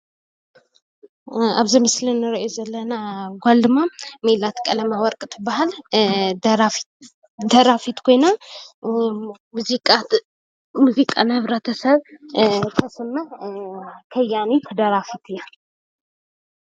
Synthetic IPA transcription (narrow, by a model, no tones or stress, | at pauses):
a̰βzɨmɨslinːɨɾiʔozɐlːɐnaɡʷald̪ɨmːamelat̪kʼɐlɐmawɔɾkʼɨt̪ʰɨbahal | ɾaf | d̪ɐɾafit̪kʰo̞jna | muzikʼa | muzikʼanɐhɨβɾɐt̪ʰɐsɐβ | k̪ʰɐsɨmːɐh | kʰɐjanik̪ʰɐd̪ɐɾafit̪ʰɨjːa